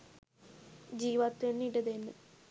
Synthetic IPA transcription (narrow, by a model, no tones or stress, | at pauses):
d͡ʑiːʋat̪ːenːiɽɐðenːɨ